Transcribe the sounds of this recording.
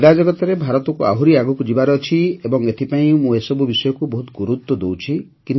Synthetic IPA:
ɾad͡ʒɔɡɔt̪ɔɾebʱaɾɔt̪ɔkua̰ɦuɾiaɡɔkud͡ʒibaɾeɔt͡ʃʰiebɔŋet̪ʰipaĩmũesɔbubisɔjɔkubɔɦut̪ɔɡuɾut̪wɔd̪owt͡ʃʰikin

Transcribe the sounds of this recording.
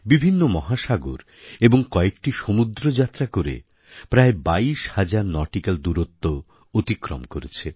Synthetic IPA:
bibʱinːomɔɦaʃaɡo̰ɾ | eboŋkɔekʈiʃomud̪ɾod͡ʑat̪ːɾakoɾḛ | pɾaebaiʃhad͡ʑaɾnɔʈikald̪uɾot̪ːo | ot̪ikɾo̰mkoɾet͡ɕʰe

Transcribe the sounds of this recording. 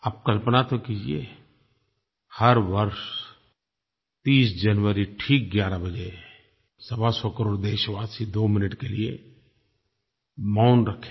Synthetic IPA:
aːp̚kɐlpənat̪okiːd͡ʒiḛ | hɐɾʋəɾʃ | t̪iːsd͡ʒɐnʋəɾiʈʰiːk̚ɡjaːɾabɐd͡ʒe | sɐbasɔkəɾoːɽd̪eːʃʋaːsid̪oːmɪnɪʈkelie | maʊnɾɐkʰe

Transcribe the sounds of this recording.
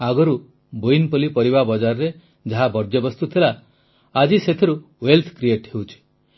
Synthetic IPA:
aɡɔɾu | bojnpɔlipɔɾibabɔd͡ʒaɾɔɾe | d͡ʒaɦabɔɾd͡ʒɔbɔst̪ut̪ʰilaː | d͡ʒiset̪ʰiɾu | welt̪ʰkɾieʈhewt͡ʃʰi̥

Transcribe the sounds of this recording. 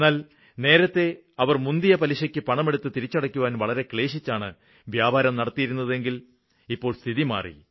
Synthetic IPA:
nːaːl | ne̞ːɾɐt̪ːe̞ | ɐʋɐrmund̪ijɐpɐliɕɐkʲːɨpɐɳɐme̞ɽut̪ːɨt̪iɾit͡ɕːɐɽɐkʲːuʋaːnʋɐɭɐɾe̞kɭe̞ːɕit͡ɕːaːɳɨ | ʋjaːbʱaːɾɐmnɐɽɐt̪ːijiɾunːɐðe̞ŋɡil | ipːo̞ːɭst̪ʰiðima̰ːrḭ

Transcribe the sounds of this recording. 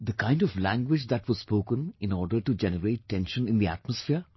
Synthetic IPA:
d̪əkãɪ̃nɖɔflæ̃ŋɡwɪd͡ʒd̪æʈʋɔzspoːkə̃nɪ̃nɔːɾɖəɾʈud͡ʒɛnəɾeːʈːɛ̃nʃə̃nɪ̃nd̪iæ̰ʈ̚məsfɪəɾ

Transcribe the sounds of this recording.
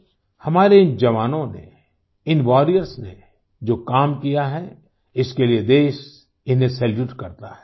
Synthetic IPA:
hɐmaːɾeɪnd͡ʒɐʋaːnõnḛ | ɪnʋɔːɾijəɾsnḛ | d͡ʒoːkaːmkijaɦɛ | ɪskelied̪eːʃ | ɪnɦesɛljuːʈkɐɾt̪aɦɛ̥ː

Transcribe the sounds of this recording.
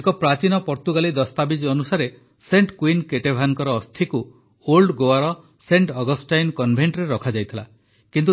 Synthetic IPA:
ekɔpɾat͡ʃinɔpɔɾt̪uɡalid̪ɔst̪abid͡ʒɔnusaɾe | seɳʈkwinkeʈebʱaŋkɔɾɔːst̪ʰiku | olɖɡoaɾɔ | seɳʈɔɡɔsʈajnkɔnbʱeɳʈɾeɾɔkʰad͡ʒajt̪ʰila̰ | kint̪u

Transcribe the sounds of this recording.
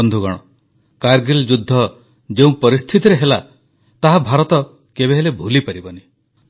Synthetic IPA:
ɔnd̪ʱuɡɔɽ̃ɔ | kaɾɡeld͡ʒud̪ʱːɔ | d͡ʒeũpɔɾist̪ʰit̪iɾeɦela | t̪aɦabʱaɾɔt̪ɔ | kebeɦelebʱulipaɾibɔni

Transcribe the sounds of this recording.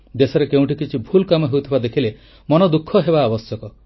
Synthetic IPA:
d̪esɔɾekeũʈikit͡ʃʰibʱulkamɔɦeut̪ʰibad̪ekʰile | mɔnɔd̪ukʰːɔɦebaːbɔsjɔkɔ

